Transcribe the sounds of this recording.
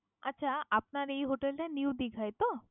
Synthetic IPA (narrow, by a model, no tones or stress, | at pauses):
ətːɕʰaapnaɾejɦoʈelʈajniwd̪ikʰajt̪o